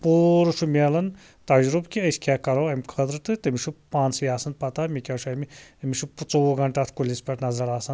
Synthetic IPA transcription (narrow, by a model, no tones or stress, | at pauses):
poːɾɨʃumʲelɐn | t̪ɐd͡ʒɾubkʲiəsʲkʲakɐɾoːɐmikʰɐd̪ɾɨt̪ɨt̪ɨmʲiʃupaːnsjaːsɐnt̪̚pɐt̪amʲikʲaʃuɐmʲiɐmʲiʃupt͡sowoɡɐɳʈat̪ʰkulʲispʲɐʈnɐzɐɾaːsɐn